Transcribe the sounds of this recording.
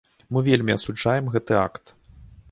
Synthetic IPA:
mɨvʲelʲmʲiɐsud͡ʐajɛmɣɛt̪ɨakt̪

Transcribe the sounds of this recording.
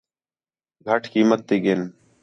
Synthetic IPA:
ɡʱəʈʰkiːmət̪̚ːiːɡeːn

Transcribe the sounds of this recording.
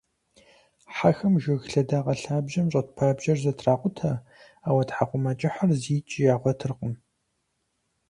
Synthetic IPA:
ħaxɐmʒɐɣɬɐdaːʁɐɬaːbʒɐmɕʷʼɐt̚pʰaːbʒɐrzɐtʰraːqʷʊtʰɐ | aːwɐtħaqʷʊmɐt͡ʃʼɪħarziːt͡ʃʼɪjaːʁʷɔtʰɨrqəm

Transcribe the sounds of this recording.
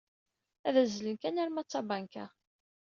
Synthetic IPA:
æðæzlənkænæɾmæt͡sːɑbaŋkæ

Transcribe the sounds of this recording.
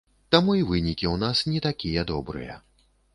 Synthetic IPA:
t̪amuivɨnʲikʲiwnasnʲɛt̪akʲijɛd̪ɔbɾɨ̰jɐ̰

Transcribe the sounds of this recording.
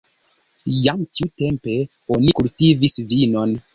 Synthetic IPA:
jamtiute̞mpe̞ | o̞nikultivisvino̞n

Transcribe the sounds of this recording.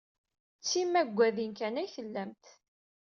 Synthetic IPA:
t͡sːimːæɡʷːæðinkænæjçəlːæmt̪

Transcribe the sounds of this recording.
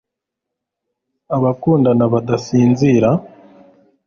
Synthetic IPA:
aβakuːndanaβadasiːnziɾa

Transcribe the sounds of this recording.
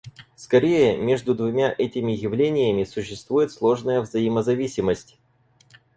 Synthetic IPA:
skɐɾʲejəmʲe̞ʐd̪ʊd̪vʊmʲaʔɛtʲɪmʲɪjɪvlʲenʲɪjəmʲɪsʊɕːɪst̪vujɪt̪slˠo̞ʐnəjəvzəiməzɐvʲisʲɪməsʲtʲ

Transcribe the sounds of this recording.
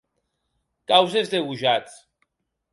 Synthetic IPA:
kʼawsɛsd̪ɛɣuʒat͡s̪ʼ

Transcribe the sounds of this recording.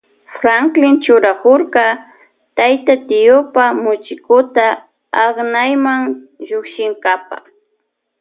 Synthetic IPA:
fɾaŋklɪnt͡ʃʊɾakʊɾkɑ | t̪ajt̪at̪ɪjʊpamʊt͡ʃɪkʊt̪aː | χnajmaŋ | ʒʊkʃɪŋkapɑ̰

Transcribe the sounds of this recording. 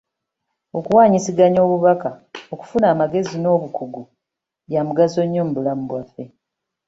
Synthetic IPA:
o̞kuwaːɲisiɡaɲo̞ːβuβakao̞ku̥funaːmaɡe̞zino̞ːβukuɡu | jamuɡazo̞ɲːoːm̩bulamuβwafːe̞

